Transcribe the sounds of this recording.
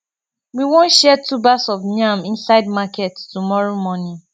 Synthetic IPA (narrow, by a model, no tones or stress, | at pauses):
wiwõnʃɛtubasɔfnãmĩnsaɪdmakɛttumɔɹomɔnĩn